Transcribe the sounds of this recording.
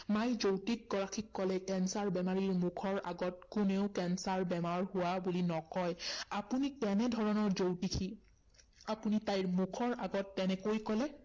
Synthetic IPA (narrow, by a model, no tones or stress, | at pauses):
majzowtik̚ɡɔɹakʰikːɔlɛkɛnsaɹbɛmaɹiɹmukʰɔɹa̰ɡɔt̚kʊneʊkɛnsaɹbɛmaɹhʊwabulinɔkɔjapunikɛnɛdʱɔɹɔnɔɹzowtikʰi | apunitajɹmukʰɔɹʔaɡɔtːɛnɛkojkɔlɛ